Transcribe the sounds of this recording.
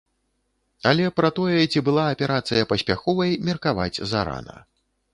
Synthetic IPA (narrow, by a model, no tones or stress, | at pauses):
ɐlʲɛpɾɐt̪ɔjɛt͡sʲibɨlˠaːpʲɛɾat̪sɨjɐpɐsʲpʲaxɔvɐjmʲirkava̰d͡zʲzaɾa̰nɐ̰